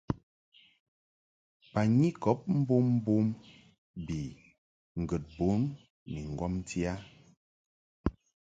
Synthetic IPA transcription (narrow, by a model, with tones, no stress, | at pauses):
pa˨ɲi˦kɔ˨˦p̚m̩˦bo˦m̩˦bo˦m | bi˨ | ŋ̩˨ɡə˨t̚bo˨˦n | ni˨ŋ˨ɡwɔ˦m˦ti˦a˦